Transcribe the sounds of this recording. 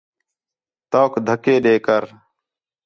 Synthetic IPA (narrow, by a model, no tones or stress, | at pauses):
t̪oːkd̪ʱəkeːɗeːkəɾ